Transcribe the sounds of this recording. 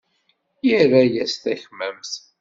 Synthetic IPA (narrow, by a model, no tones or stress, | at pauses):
jiɾæjæsθæçməmθ